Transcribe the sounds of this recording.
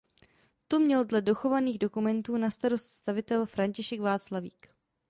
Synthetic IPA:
t̪omɲɛldlɛdo̞xo̞vaniːɣdo̞kumɛnt̪uːnast̪aɾo̞st̪st̪avɪt̪ɛlfɾaɲcɪʃɛɡvaːt͡slavḭːk

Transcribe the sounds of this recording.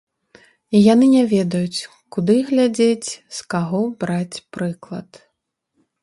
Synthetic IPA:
ijanɨnʲavʲɛd̪ɐjut͡sʲ | kud̪ɨɣlʲad͡zʲet͡sʲskaɣɔbɾat͡sʲpɾɨklˠɐt̪

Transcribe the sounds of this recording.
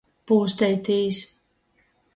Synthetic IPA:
puːst̪ɛjt̪iːs

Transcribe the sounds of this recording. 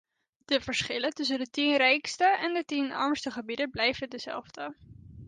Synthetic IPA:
d̥əvəɹsχɪlətɵs̬əndətinrɛjkstəʔɛndətinɛ̰ɹmstəχəbidəblɛjvədəzɛ̰lˠvdə

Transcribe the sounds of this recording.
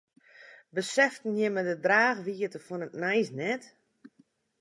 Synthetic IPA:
bəsɛftən̩jɪmədədraːxʋiətəfunətnɛjsnɛt

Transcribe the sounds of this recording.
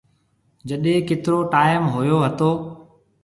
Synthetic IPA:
d͡ʒəɗẽːkɪt̪ɪɾoːʈaːɪmɦojoːɦət̪oː

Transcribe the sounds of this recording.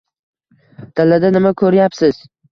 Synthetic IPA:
d̪̥alːad̪anɪmakʰɵɾjapsɪz̥

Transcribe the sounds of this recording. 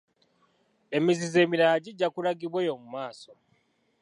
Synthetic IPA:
e̞mizize̞ːmiɾaːɟiɟːakulaɡiβweːjo̞mumaːso̞

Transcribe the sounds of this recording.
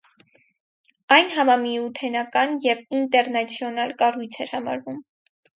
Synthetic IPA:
ɑjnɦɑmɑmiut̪ʰɛnɑkɑnjɛvint̪ɛɾnɑt͡sʰjɔnɑlkɑrujt͡sʰɛɾhɑmɑ̰ɾvum

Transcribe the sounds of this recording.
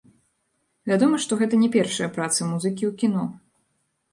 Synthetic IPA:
vʲad̪ɔmɐʂt̪ɔɣɛt̪ɐnʲɛpʲɛrʂɐjɐpɾat̪sɨmuzɨkʲiwkʲinɔ

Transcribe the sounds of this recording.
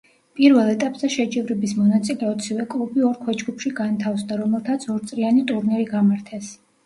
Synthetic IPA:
pʼiɾvɛlˠɛt̪ʼapʼzɛʃɛd͡ʒɛvɾɛbismɔnat̪sʼilɛɔt̪sʰivɛkʼlˠubiɔɾkʰwɛd͡ʒɡupʰʃiɡant̪ʰafsd̪aɾɔmɛlˠt̪ʰat̪sʰɔɾt̪sʼɾianit̪ʼuɾnɛɾiɡamaɾt̪ʰɛs

